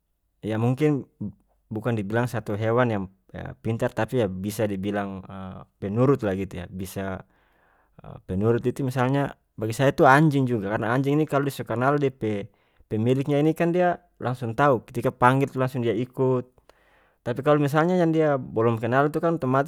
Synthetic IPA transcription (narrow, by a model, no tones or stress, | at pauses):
jamuŋkin | bukandibilaŋsat̪uɦɛwanjaŋ | a̰pint̪art̪apijabisadibilaŋəpɛnuɾut̪̚laɡit̪uja̰bisa | ə̰pɛnuɾut̪̚it̪umisalɲa | baɡisajat̪uaɲd͡ʒiŋd͡ʒuɡakarnaːɲd͡ʒiŋinikaludisɔkanaldipɛ | pɛmilik̚ɲainikandia | lʔaŋsuŋt̪aukɛ̥t̪ikapaŋɡilt̪ulaŋsuŋdiaikut̪̚ː | ap̬ikalumis̬alɲajaŋdiabɔlɔmkɛnalt̪ukant̪ɔmat̪